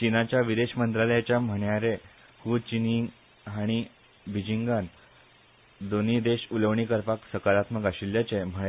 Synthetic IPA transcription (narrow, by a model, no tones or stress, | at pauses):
t͡ɕinat͡ɕjaʋid̪eɕmənt̪ɾaləjat͡ɕjam̤əɳjaɾe | huːt͡ɕiniŋ | ɦaɽ̃i | bʱid͡ʑiŋɡan | d̪onid̪eɕuləʋɳikəɾpaksəkaɾat̪məkaɕilːjat͡ɕem̤əɭ